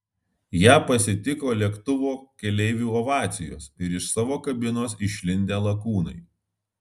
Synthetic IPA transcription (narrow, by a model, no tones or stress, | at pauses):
jæːpɐsʲɪt̪ʲɪkoːlʲiɛkt̪ʊʋoːkʲɛlʲɛɪʋʲuːɔʋɑːt̪sʲɪjo̰ːsɪɾɪʃsɑːʋoːkɐbʲɪnoːsɪʃʲlʲɪnʲd̪ʲeːlˠɐkuːnɐɪ